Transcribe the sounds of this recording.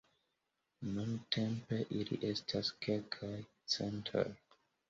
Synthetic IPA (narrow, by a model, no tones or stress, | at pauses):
nuntʰempe̞ʔilḭʔe̞stʰaskelkʰaj | t͡sentʰḛl